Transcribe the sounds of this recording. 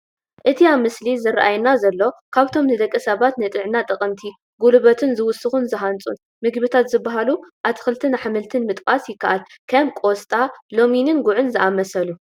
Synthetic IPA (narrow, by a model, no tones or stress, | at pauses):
ʔɨt̪ʰiamɨslizɐɾʔajnazɐlːo̞kʰaβt̪ʰo̞mnɨd̪ɐkʼːisɐβat̪nɨt̪ʼɨʕnat̪ʼɨχʼɨnt̪ʰi | ɡulɨβɐt̪ʰɨnzɨwʊsɨxunzɨɦant͡sʼṵn | mɨɡbit̪ʰat̪zɨbːaɦaluʔaβt̪ʰɨ̥xɨlt̪ʰɨnɨħamɨlt̪ʰɨnmɨt̪ʼkʼasjɪkːaʔal | kʰɐmkʼo̞st̪ʼalo̞minɨnɡuʕɨnzɨʔamɐsɐlu